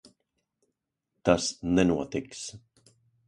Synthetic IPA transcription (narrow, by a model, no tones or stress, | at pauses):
t̪asnɛnuɔt̪ɪks